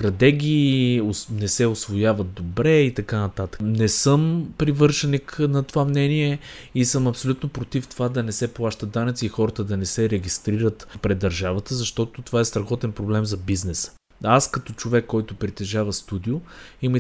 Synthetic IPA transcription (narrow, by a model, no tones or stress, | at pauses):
t̪ɾɐt̪ɛɡʲiːonɛsɛʊsvojavɐt̪̚d̪obɾɛit̪ɐkanɐt̪at̪ə̥knɛsɤmpɾivɤɾʃɐniknɐt̪ovamnɛniɛisəmɐpsolʲut̪nopɾot̪ift̪ovad̪ɐnɛsɛplˠaʃt̪əd̪ːanɐt̪siixɔɾət̪əd̪ɐnɛsɛɾɛɡist̪ɾiɾət̪pɾɛd̪ːɐɾʒavət̪əzɐʃt̪ɔt̪ot̪ovaɛst̪ɾɐxɔt̪ɛnpɾoblɛmzɐbiznɛsə̥ | askɐt̪ɔt͡ʃovɛkːɔjt̪ʊpɾit̪ɛʒavəst̪ud̪iʊimə